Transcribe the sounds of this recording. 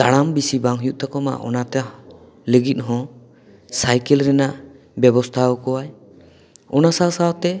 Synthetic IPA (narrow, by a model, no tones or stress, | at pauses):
t̪aɽambisibaŋɦjuʔt̪akɔma̰ʔɔ̰nat̪ɛ | ləɡit̪̚ɦɔ̃ | sajkɛlɾɛnaʔ | bɛbɔst̪ʰaɔkɔwaj | ɔnasasawt̪ɛ